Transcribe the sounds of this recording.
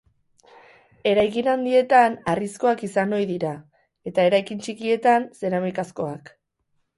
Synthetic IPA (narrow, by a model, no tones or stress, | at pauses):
e̞ɾajkinand̪ie̞t̪anarisko̞akisano̞jðiɾa | e̞t̪ae̞ɾajkint͡ʃikie̞t̪anse̞ɾamijkasko̞ak